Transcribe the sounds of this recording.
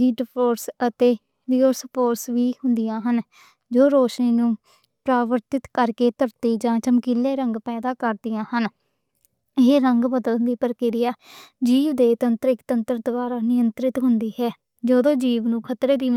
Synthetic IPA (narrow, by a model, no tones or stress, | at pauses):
iːɖpʰoːɾsət̪eː | liːosəpoːɾsʋiːhʊnd̪ɪjãːɦən | d͡ʒoːɾoːʃniːnũː | pɾaːʋəɾt̪ɪt̪kəɾkeːt̪əɾt̪iːd͡ʒãːt͡ʃəmkileːɾəŋɡpɛːd̪aːkəɾd̪ɪjãːhən | ɪeɾəŋɡbəd̪əld̪iːpəɾkɪɾɪjaːd͡ʒiːʋd̪eːt̪ənt̪ɾɪkt̪ənt̪əɾd̪ʊbaːɾaːnɪjənt̪ɾɪt̪ɦʊnd̪iːɦɛː | d͡ʒəd̪õːd͡ʒiːʋnũːkʰət̪ɾeːd̪iː